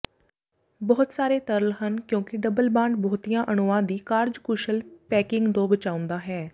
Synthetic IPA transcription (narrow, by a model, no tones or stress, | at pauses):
bɔːt̪saːɾeːt̪əɾəlɦənkjõːkɪɖəbəlbãːɳɖbɔːt̪iːjãːʔənʊãːd̪iːkaːɾd͡ʒkʊʃəlpɛːkɪ̃ŋɡd̪õːbət͡ʃaːʊ̃nd̪aːɦɛː